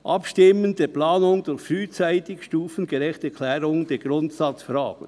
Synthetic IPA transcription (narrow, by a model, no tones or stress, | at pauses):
ʔɑpʃtɪməndeːplɑːnʊŋd̥ʊɾçfɾyːt͡saɪtɪçʃtuːfən̩ɡeɾɛxtɛkʰlɛːɾʊŋd̥eːɡ̥ɾʊntsɑt͡sfɾɑ̰ːɡ̥ə̰n